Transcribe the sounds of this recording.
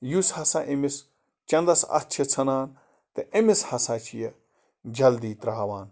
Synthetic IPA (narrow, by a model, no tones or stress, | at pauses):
jushɐsaʔemis | t͡ʃɐnd̪ɐsɐ̰t̪̚t͡ʃʰet͡sʰɐnaːn | t̪eʔemishɐsaːt͡ʃʰije | d͡ʒɐld̪iːt̪ɾɐɦɐʋaːn